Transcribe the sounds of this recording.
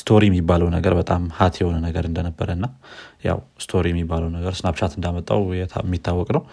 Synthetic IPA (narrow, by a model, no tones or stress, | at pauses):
st̪ʰo̞ɾijɛmːibːaləwnəɡəɾbət̪ʼamhat̪ʰjɛho̞nənəɡəɾɨnd̪ənəbːəɾəɨnːaja̰wst̪ʰo̞ɾijɛmːibːaləwnəɡəɾsɨnabt͡ʃat̪ʰɨnd̪amət̪ʼːa̰wjɛmːit̪ʰːawːɔkʼnəw